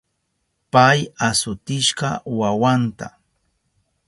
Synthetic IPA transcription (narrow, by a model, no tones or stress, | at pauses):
pajasʊt̪ɪʃɢɑwawant̪a̰